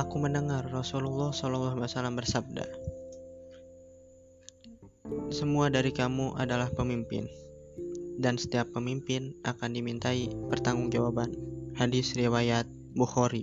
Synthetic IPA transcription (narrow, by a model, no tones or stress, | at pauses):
ʔakuməndəŋarːɔsululːɔhsɔlɔlːɔɦasalambərsab̚da̰ | səmuadaɾikamuʔadalahpəmimpɪ̰n | dansə̥t̪iapːəmimpɪnʔa̰kandimint̪aipərt̪aŋʊŋd͡ʒawabanhadɪsriwajat̪̚ | buxɔɾi